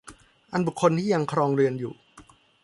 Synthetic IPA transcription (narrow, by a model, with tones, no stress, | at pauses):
ʔa˧nbu˨˩kʰːo˧nt̪ʰiː˥˩ja˧ŋkʰɾɔː˧ŋɾɯ˧ənjṵː˨˩